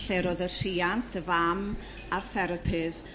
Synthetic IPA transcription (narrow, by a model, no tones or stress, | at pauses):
ɬeɾɔðər̥iːantʰəvam | arθɛɾəpʰɪð